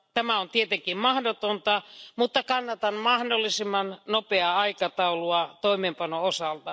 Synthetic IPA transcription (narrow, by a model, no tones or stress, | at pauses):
t̪æmæont̪iet̪eŋkimmɑhdot̪ont̪ɑmut̪ːɑkɑnːɑt̪ɑnmɑhdolːisimːɑnnopeɑɑikɑt̪ɑuluɑt̪oimeːmpɑnoosɑlt̪ɑ